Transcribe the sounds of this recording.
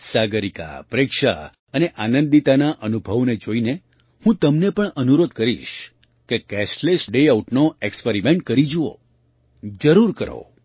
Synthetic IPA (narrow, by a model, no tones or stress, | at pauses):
saɡəɾika̰pɾekʃa̰ | əneʔanə̃nd̪it̪anaʔənubʱəʋned͡ʒoine | hũt̪əmnepəɳənuɾod̪̚kəɾḭʃ | kekɛʃlesɖeauʈnoekspeɾimeɳʈ̚kəɾid͡ʒuo̰ | d͡ʒəɾuɾkəɾo̰